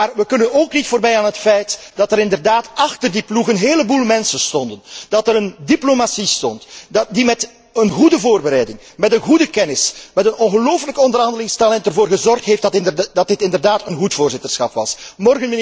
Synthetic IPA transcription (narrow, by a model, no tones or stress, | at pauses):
maːrʋəkɵnənoːknitfoːrbɛjaːnɦətfɛjt | d̥ɑtəɾɪndərdaːtɑxtərdipluɣənɦeːləbuːlˠmɛnsənstɔndənd̥ɑtəɾəndiplomasistɔntdimɛt | ənɣudəvoːrbəɾɛjdɪŋ | mɛtənɣudəkɛnɪsmɛtənɔnɣəloːfləkɔndərɦɑndəlɪŋstalɛntərvoːrɣəzɔrxtɦeːfttndɑt̚dɪtɪndərdaːtənɣutfoːrzɪtərsxɑpʋɑ̰smɔrɣənmn